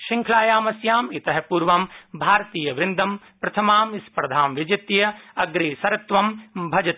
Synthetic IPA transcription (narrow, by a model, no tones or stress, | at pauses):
ʃiŋkʰlaːjaːmɐsjaːmit̪ɐɦɐpuɾʋɐmbʱaːɾt̪iːjɐʋɾɪnd̪ʱɐm | pɾɐt̪ʰɐmaːmispɾɐd̪ʱaːmʋɪd͡ʒɐt̪jɐɐɡɾeːsɐɾɐt̪ʋɐmbʱɐd͡ʒɐt̪